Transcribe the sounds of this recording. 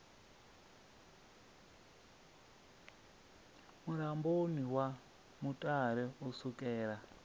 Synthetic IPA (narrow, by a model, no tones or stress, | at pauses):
muɾamboniwa | mutʼaɾɛusukʼɛːɾa